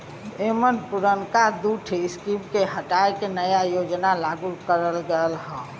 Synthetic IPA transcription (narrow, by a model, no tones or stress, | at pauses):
emənpuɾənkad̪uʈʰɪskimkeɦəʈaekenəjajod͡ʒnalaɡukəɾəlɡəəlɦə̃